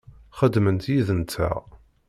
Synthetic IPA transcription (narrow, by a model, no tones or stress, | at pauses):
χəd̪ːmənt̪jiðənt͡s̪ːæ̰